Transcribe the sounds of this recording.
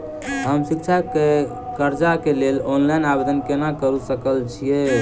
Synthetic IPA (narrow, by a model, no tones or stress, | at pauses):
ɦəmsik̚t͡ʃʰake | kəɾd͡ʒakelelonlajnabed̪ənkenakəɾusəkəlt͡ʃʰie